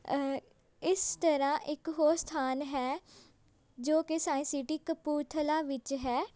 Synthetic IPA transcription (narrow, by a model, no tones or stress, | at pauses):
ɪst̪əɾãːʔɪkɦoːst̪ʰaːnɦɛː | d͡ʒoːkɪsãːĩːsɪʈiːkəpuːt̪ʰəlaːʋɪt͡ʃɦɛː